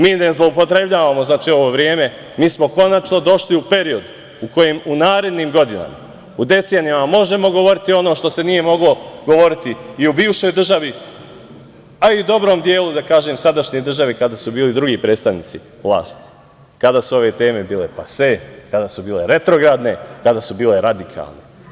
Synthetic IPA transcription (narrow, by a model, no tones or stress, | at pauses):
miːnezlˠo̞upo̞t̪ɾe̞bʎaːʋamo̞znaːt͡ʃiːo̞ʋo̞ːʋɾje̞ːme̞ | miːsmo̞ko̞nat͡ʃno̞d̪o̞ʃliupe̞ɾio̞d̪ | uko̞jemunaːɾe̞d̪niːmɡo̞d̪ina̰ma̰ | ud̪e̞t̪senijamamo̞ʒe̞mo̞ɡo̞ʋo̞ɾit̪io̞noːʃt̪o̞se̞nije̞mo̞ɡlo̞ɡo̞ʋo̞ɾit̪iːubiːʋʃo̞jd̪r̩ʒaʋi | aiud̪o̞bɾo̞ːmd̪je̞ːlud̪akaːʒeːmsad̪aʃɲed̪r̩ʒaʋikad̪asubiːlid̪ɾuɡipɾe̞ːd̪st̪aʋnḭːt̪si | ʋlˠa̰ːst̪i̥ | kad̪aːsuo̞ʋet̪e̞ːme̞biːle̞pasʋekad̪asubiːle̞ɾe̞t̪ɾo̞ɡɾad̪ne̞kad̪asubiːle̞ɾad̪ikʰa̰lˠnḛ